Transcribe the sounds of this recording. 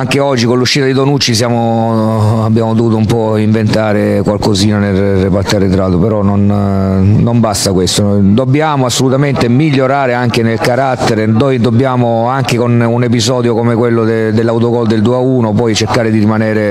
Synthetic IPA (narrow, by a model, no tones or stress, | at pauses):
aŋk̟eɔd͡ʒːikonlːuʃːit̪ad̪id̪onut͡ʃːis̬jaːmo | abːjaːmod̪ovuːt̪oumpɔ | iɱvent̪aːɾe | kwalkoziːnanel | rːepat̪ːaɾet̪ɾaːt̪opeɾɔnːonː | ombast̪akwest̪onojd̪obːjaːmoasːolut̪ament̪emiʎːoɾaːɾeaŋk̟enelkaɾat̪ːeɾed̪ojd̪obːjaːmo | aŋkekonunep̬izɔːd̪jokomekwelːod̪ed̪elːawt̪̬okɔld̪eld̪uauːnopɔjt͡ʃeɾkaːɾed̪iɾimanɛːɾe